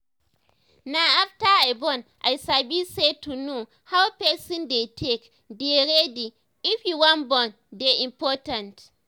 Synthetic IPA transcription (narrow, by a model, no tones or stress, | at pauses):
naaftaajbɔ̃nʔajsabised̚tuno | hawpɛsɔ̃ndetʰek | deɾedi | ifjuwãnbɔn | deʔĩmpɔtãnt